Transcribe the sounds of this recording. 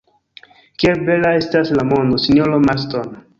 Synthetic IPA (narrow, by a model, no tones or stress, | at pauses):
kiebe̞lae̞staslamo̞ndosinolomaston